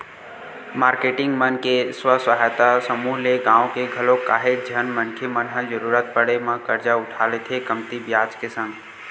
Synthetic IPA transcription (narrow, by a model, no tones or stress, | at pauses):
maɾkeʈɪŋɡmənkeswəswaɦajt̪asəmuɦleɡãõkeɡʱəlokaɦed͡ʒʱənmənkʰjemənɦəd͡ʒəɾuɾət̪̚pəɽemẽkəɾd͡ʒaʊʈʰalet̪ʰekəmt̪ibjad͡ʒkesə̃ŋɡ